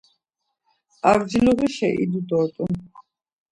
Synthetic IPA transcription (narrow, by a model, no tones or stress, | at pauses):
aɾd͡ʒiluɣiʃɛ̰ʔḭd̪ud̪ɔt̪ʼu